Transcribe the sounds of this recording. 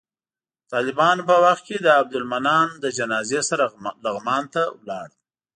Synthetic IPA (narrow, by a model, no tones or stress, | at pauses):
t̪ɑlɪbɑnpəwaxt̪̚ked̪əab̚d̪ʊlmanɑnd̪əd͡ʒanɑzesaɾalaɣmɑnt̪awlɑɽ